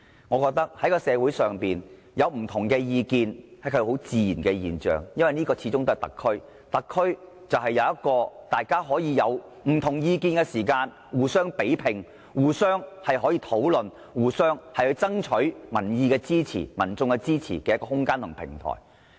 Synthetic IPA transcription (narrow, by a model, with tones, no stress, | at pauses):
ŋɔː˨˧kɔː˧k̚t̪ɐ˥k̚hɐ˨˥jkɔː˧sɛː˨˧wu˨˥jsœː˨ŋpiː˨n | jɐ˨˧wm̩˨˩t̪ʰʊ˨˩ŋkɛː˧jiː˧kiː˧nhɐ˨˥jkʰɵ˧ho˨˥wt͡siː˨˧jiː˨˩nkɛ˧jḭː˨nt͡ʃœ̰ː˨˩ŋjɐ˥nwɐ˨jniː˥kɔː˧t͡sʰi˨˧˥t͡sʊ˥ŋt̪o˥ɐ˨jt̪ɐ̰˨kʰːɵ˥ɥ | t̪ɐ˨kʰːɵ˥ɥ | t͡sɐ˨wɦɐ˨jːɐ˨˧wjɐ˥t̚kɔː˧t̪aː˨jkaː˥ɦɔː˨˥jiː˧jɐ˨˧w | m̩˨˩t̪ʰʊ˨˩ŋjiː˧kiː˧nkɛ˧siː˨˩kaː˧n | wuː˨˩sœː˥ŋpe˨˥jpʰɪ˨˩ŋ | wuː˨˩sœː˥ŋhɐ˨jɦɔː˨˥jiː˧t̪ʰo˨˥wlɵ˨n | wuː˨sœː˥ŋhɐ˨jhɵ˧ɥt͡sɐ˥ŋt͡ʃʰɵ˨˥ɥmɐ˨˩njiː˨˧kɛː˧t͡siː˥t͡sʰḭː˨˩mɐ̰˨˩nt͡sʊ˧ŋkɛ˧t͡siː˥t͡sʰḭː˨˩kɛː˧˦jɐ˥kːɔː˧ɦʊ˥ŋkaː˥nt̪ʰʊ˨˩ŋpʰɪ̰˨˩ŋt̪ʰɔ̰ː˨˩j